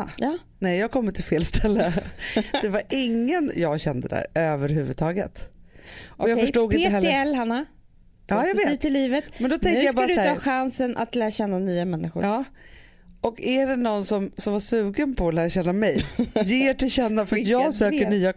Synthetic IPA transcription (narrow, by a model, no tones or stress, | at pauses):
jɑ | nɛjjɑːɡkʰɔmːɪt̪ʰːɪlfeːlst̪ʰɛlːə | d̥̪ɛvaɾʔɪŋːənjɑɡɕɛnd̪əd̪æ̰ːɾøːvəɾɦʉ̟və̰d̪̚t̪ʰɑːɡə̰t̪ | ɔjaɡfəʂʈuːɡɪneːəɦɛlːɛlːhanːa | ɑːjaɡveːtːt̪ʰɪlːiːvət̪mɛnd̪ɔt̪ʰɛŋk̪əjabɑaɾadsʰɑːɧansənʔa̰t̪læːɾaɕɛnːanyːamɛnːɪxɧʊ̰ɾɑː | ɔkæɖɛnɔnsɔmsɔmvaʂʉ̟ːɡənpʰɔːlæːɾaɕɛnːamɛjjeːʈɪlɕɛnːafœɾat̪jɑːɡsøːkəɳyːa